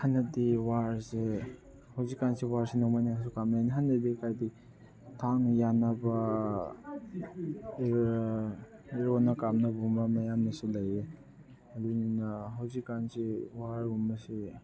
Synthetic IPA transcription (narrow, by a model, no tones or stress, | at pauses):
hanːadiwaɾse | hawzikːansiwaɾsinɔŋmajnakʰasukamnaaniɦanːadikʰajdi | tʰaŋjanaba | eɾonakamnabumamajamnasilaje | ɐduninaɦawzikːansiwaɾbumasi